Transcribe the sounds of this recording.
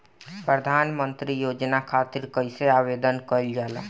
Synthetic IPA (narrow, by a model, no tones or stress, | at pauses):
pɾəd̪ʱanmənt̪ɾijod͡ʒnakʰat̪iɾkəjseaβed̪ənkəld͡ʒalə